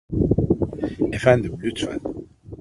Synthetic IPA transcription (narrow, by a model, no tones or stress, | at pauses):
efand̪əblyt̪fa̰n